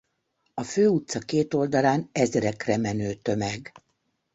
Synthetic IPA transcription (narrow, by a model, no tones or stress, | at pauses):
ɒføːut̪sɒkeːt̪o̞ld̪ɒlaːnɛzɛɾɛkrɛmɛnøːt̪ø̞mɛɡ